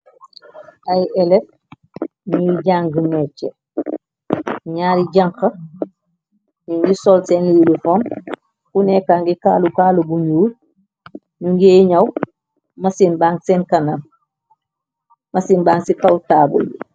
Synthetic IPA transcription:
ajʔɛlɛt̚ | ɲuɟaŋɡəmɛt͡ʃɛ | ɲaːɾiɟaŋkɐ | ɲuŋɡisɔlsɛnlililufom | kunekaːŋɡikaːlukaːlubuɲuːl | ɲuŋɡeːɲɐw | mɐsinbaːŋsenkanam | mɐsinbaːŋsikawtaːbṵli

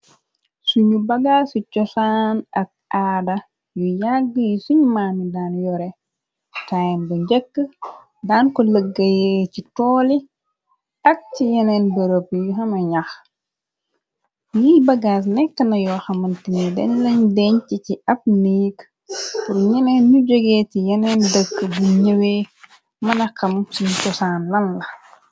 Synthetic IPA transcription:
suɲubɐɡaːsucɔsaːnɐk̚aːdɐ | jujaɡːəjisuɲmaːnidaːnjɔɾɛ | tajnbəɲɟɛkːə | daːnkɔləɡːɐjɛːcitɔːli | ɐk̚cijɛnɛnbɐɾopːjuɦɐmɐɲax | jiːbɐɡaːs̬nɛkːənɐjɔːxɐmɐntinidɛ̰nlɐɲdɛɲciciʔɐp̚niːk | puɾɲɛnɛnɲuɟoɡɛːtijɛnɛndəkːəbuɲəweː | mɐnɐkɐmsiɲt͡ʃɔsaːnlɐnlɐ

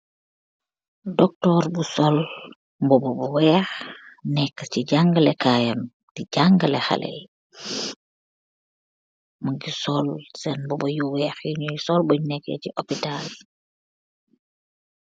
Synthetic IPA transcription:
dɔk̚tɔːrbusɔl | mbɔbɔbuwɛːxnɛkːəciɟaŋɡəlɛkaːjɐm | tiɟaŋɡəlɛxɐ̰lʔɛ̰j | mɐɡisɔlsɛnbɔbɐjuwɛːxjuɲujsɔlbuɲnɛkːɛ̰ciʔopital

